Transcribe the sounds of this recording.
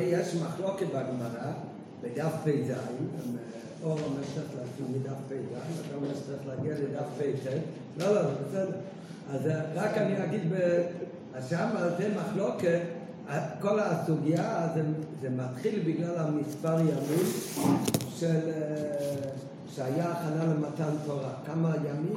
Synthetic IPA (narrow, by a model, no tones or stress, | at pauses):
jeʃmaχloket̪̚baɡmaʁa | bed̪afpejzaimme | oʁamɛt͡saiχlasimed̪afpejzaimataet͡saʁiχlaɡialed̪afpejte | loloesɛde | azʁakaniaɡid̪be | aʃamaltemaχloket̪ | akolasuɡiazezemat̪χilbiɡlalamispaʁjamim | ʃel | ʃeajaːχanalemat̪antoʁakamajamim